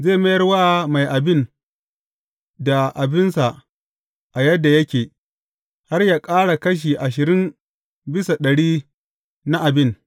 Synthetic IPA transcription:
zeː˦˨mɐ˦jɐ˦rwaː˦ma˨jʔa˨bɪ˦n | da˨ʔa˨bɪ˦nsa˨ʔ | ʔa˨jɐ˦dːa˨jɐ˦kʲeː˨ | ha˦rjaː˦kʼaː˦ɽa˨kɐ˦ʃ̬iː˨ʔa˨ʃ̬ɪ˨ɾɪ˦m | bɪ˦sa˨ɗɐ˨ɽiː˦ | na˦ʔa˨bɪ˦n

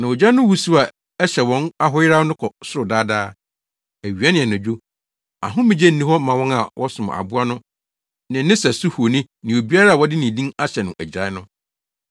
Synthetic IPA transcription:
nã˨wo˨d͡ʑa˦nʊ̃˦wu˨su˦a˨ | ɛ˦ɕɛ˨wɔ̃˦na˦ɦʊ˦jɪ˦ɾa˦nʊ̃˦kʰɔ˨sʊ˦ɾʊ˨daː˦daː˦ | æ˨ɥi˨a˦nɪ̃˨ɛ˨nʊ̃˨d͡ʑᶣu˦ | a̰˨ɦʊ̃˦mɪ̃˨d͡ʑɛ˦n̩ː˨˦ĩ˦ɦɔ˦mã˨wɔ̃˦na˨wʔɔ˦sʊ̃˨m˨a̰˨bʊ˦a˦nʊ̃˦ | nɪ̃˨˦nɪ̃˦sɛ˨sʊ˦hu˨o˨nĩ˦ | nɪ̃˨o˨bi˦a˦ɾa˦a˨wɔ˦dɪ˦nɪ̃˨dĩ˦na˦ɕɛ˨nʊ̃˨ʔæ˨d͡ʑa˨ɪ˦nʊ̃˦

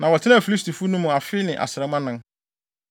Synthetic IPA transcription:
nã˨wɔ˨tʰɪ˦nã˦˨fi˨li˦sti˨fu˦nũ˦mʊ̃˨a˨fɪ˦nɪ̃˨ʔa̰˨sɪ˨ɾɛ˨mã˦nɪ̃˦n

